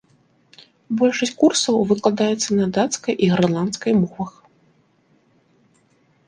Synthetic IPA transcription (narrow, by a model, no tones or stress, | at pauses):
bɔlʲʂɐsʲt͡ɕʲkursɐwvɨklˠad̪ajɛt̪sːɐnɐd̪at̪skɐjʔiɣrlˠant̪skɐjmɔvɐx